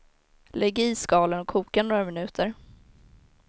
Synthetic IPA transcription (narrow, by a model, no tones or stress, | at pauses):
lɛɡiːskɑːlənɔkʰuːkanoːɾamɪnʉ̟ːt̪ʰəɾ